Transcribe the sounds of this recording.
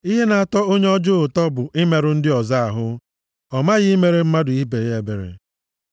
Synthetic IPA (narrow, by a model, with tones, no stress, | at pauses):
i˦ɦe˦na˨a˦˨tɔ˦o˦ɲe˦ɔ˦d͡ʒʊ˦ʊ˨tɔ˦bʊ˨ʔɪ˦me˨ɾʊ˦n̩˦dɪ˦ɔ˨za˦a˨ɦʊ˦ | ɔ˨ma˦ɣɪ˦i˦me˨ɾe˦m̩˦ma˦dʊ˨i˦be˨je˨be˨ɾḛ˨